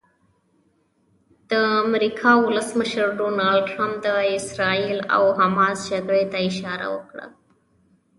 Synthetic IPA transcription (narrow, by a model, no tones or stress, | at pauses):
d̪̥əamɾikʰɑwʊləsməʃəɾɖonɑlɖʈɾamp̚d̪əɪsɾɑila̰wɦamɑzd͡ʒaɡɽet̪aɪʃɑɾa̰wə̰kɽa̰